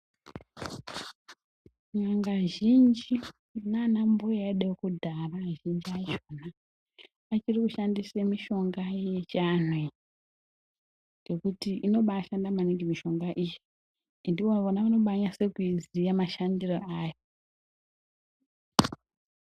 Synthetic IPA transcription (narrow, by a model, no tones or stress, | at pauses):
ɲaŋɡaʒind͡ʒi | nanamboaiɗeokudʱaraʒind͡ʒiaiʃonaː | t͡ʃirikuʃandisemiʃo̞ŋɡajet͡ʃanei | ɡekutiino̞ɓaʃandamaniŋɡimiʃo̞ŋɡaʔiji | ndioonaʋano̞ɓaɲase̞kuizijamaʃandiroʔaːjo